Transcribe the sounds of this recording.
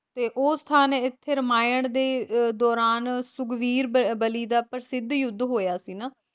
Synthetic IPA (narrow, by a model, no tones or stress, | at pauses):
t̪eːʔoːst̪ʰaːneːɪt̪ʰːeːɾəmaːjəɳd̪eːd̪ɔːɾaːnsʊɡʋiːɾbəliːd̪aːpəɾsɪd̪jʊd̪ʱːɦoːjaːsiːnaː